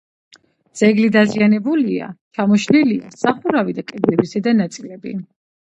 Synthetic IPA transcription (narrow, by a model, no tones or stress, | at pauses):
z̥ɛɡlid̪azianɛbulia̰t͡ʃʰamɔʃnilia̰saχuɾavid̪akʼɛd̪ɛbisɛd̪anat̪sʼilɛbḭ